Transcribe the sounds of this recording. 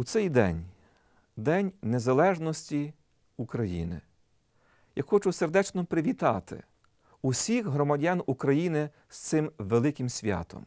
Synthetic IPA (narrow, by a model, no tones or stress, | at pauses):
ut̪sɛjd̪ɛ̰nʲ | d̪ɛnʲnezɐlˠɛʒnɔsʲtʲi | ukɾɐjḭnɪ̰ | jaxɔt͡ʃʊserd̪ɛt͡ʃnɔpɾɪʋʲit̪ɑt̪ɪ̰ | usʲixɦɾɔmɐdʲanukɾɐjinɪ | st̪sɪmʋelˠɪkʲɪmsʲʋʲɑ̰t̪ɔ̰m